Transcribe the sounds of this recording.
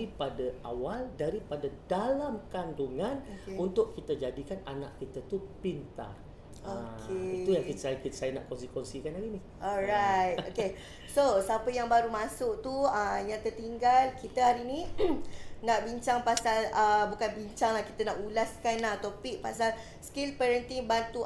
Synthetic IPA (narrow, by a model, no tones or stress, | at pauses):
ipadaa̰waldaɾipadadalamkanduŋãneunt̪ʊʔkːit̪ad͡ʒadikanana̰ʔkit̪at̪upint̪a̰r | okʰeit̪ujaŋkit̪sajkit̪sajənaʔkɔnsikwɛnsikanlaɡini | ʔɔɾajt̪̚oke | sosapəjaŋbaɾumasʊʔt̪uəjaŋt̪ərt̪iŋɡalkit̪əɦaɾinĩ | naʔbiɲt͡ʃaŋpasaləbukanbiɲt͡ʃaŋlahkit̪anaʔulaskanːat̪opik̚pasal | skilpɛɾənt̪ibant̪u